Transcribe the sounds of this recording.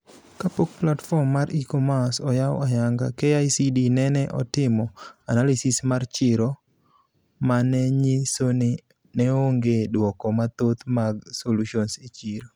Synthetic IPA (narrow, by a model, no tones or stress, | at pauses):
kapok̚platfɔmːaɾikomasɔjaw̰ajaŋɡa̰keajsidinɛnɛʔɔtɪmɔanalisɪsmart͡ʃɪɾo | manɛɲisoni | nɛoŋɡedwɔkɔmat̪ot̪maɡsoluʃɔnsit͡ʃiɾo